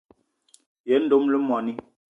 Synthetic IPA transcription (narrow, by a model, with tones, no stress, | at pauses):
je˨˦n̩˦do˦mlə˦mɔ˨ni˦